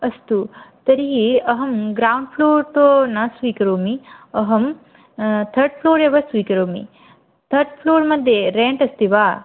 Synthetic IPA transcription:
ɐst̪ut̪ɐɾiɦiɐɦɐmɡɾaːwɳɖ̚pʰloːɾt̪oːnɐsʋiːkɐɾoːmiɐɦɐm | t̪ʰɐɾɖ̚pʰloːɾeʋɐsʋiːkɐɾoːmḭ | t̪ʰɐɾɖ̚pʰloːɾmɐd̪ʱjeɾeːɳʈɐst̪iʋaː

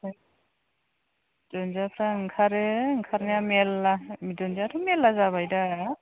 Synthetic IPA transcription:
dɔnzapʰɾaŋkʰaɾeŋkʰaɾnamelːamidɔnzatʰumelːazaβajda

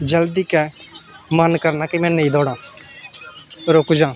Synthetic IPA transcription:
d͡ʒəld̪iːkɛː | mənkəɾnaːkimɛ̃ːnəĩːd̪ɔːɽãː | t̪əɾoːkud͡ʒãː

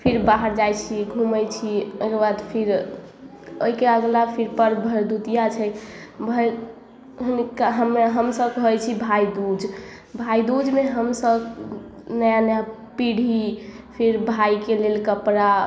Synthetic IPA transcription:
pʰiɾbaɦəɾd͡ʒajt͡ʃʰiɡʱuməjt͡ʃʰiojkebad̪pʰiɾ | oikeəɡlapʰiɾpəɾbʱəɾd̪ut̪ijat͡ʃʰɛjbʱə | ɦunikːaɦəmɦəmsəbkɦət͡ʃʰibʱaid̪ud͡ʒʱ | bʱaid̪ud͡ʒmeɦəmsəb | nəjanəjapiɽ̤ʱi | pʰiɾbʱaikelelkəpɾa

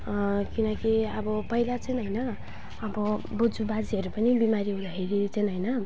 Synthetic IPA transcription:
kinʌkiʌbʌpʌilat͡sʌjnɦʌjnʌ | ʌbʌbud͡zubad͡ziɦʌɾupʌnibimaɾiɦũd̪akʰeɾit͡sʌjnɦʌjnʌ

